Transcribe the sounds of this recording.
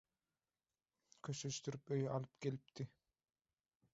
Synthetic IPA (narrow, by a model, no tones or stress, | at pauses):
kʰøʃøʃt̪yɾypøjɑlˠɯp̚kʰe̞lʲip̚t̪ɪ